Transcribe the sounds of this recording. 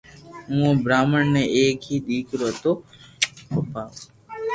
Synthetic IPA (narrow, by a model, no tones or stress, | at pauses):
ɦũːõːbɾaːməɳneeːkiːd̪iːkɾoːt̪oː | popaː